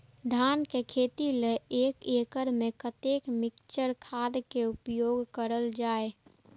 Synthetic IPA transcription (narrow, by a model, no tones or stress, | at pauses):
d̪ʱaːnkekʰeːt̪ileeːkeːkəɾmẽkət̪eːkmɪkt͡ʃəɾkʰaːd̪keʊpjoːɡkəɾəld͡ʒaːe